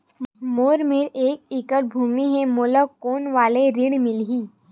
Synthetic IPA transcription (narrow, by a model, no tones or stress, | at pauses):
moːɾmeɾeːk̚ɪkəɾbʱuːmiɦɛ̃moːləkːoːnʋaːleɾiɽmɪlɦiː